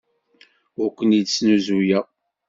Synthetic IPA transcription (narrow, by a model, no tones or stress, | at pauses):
ʊɾkʷːənisnuzujæ